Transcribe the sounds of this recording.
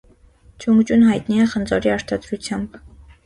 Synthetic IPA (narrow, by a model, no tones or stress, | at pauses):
t͡ʃʰuŋɡt͡ʃunɦɑjt̪niɛχənd͡zɔɾiɑɾt̪ʰɑd̪ɾut͡sʰjɑmb